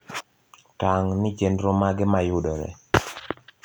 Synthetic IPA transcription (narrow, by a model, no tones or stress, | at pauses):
taŋnɪt͡ʃenɾomaɡɪmajʊdɔɾɛ̰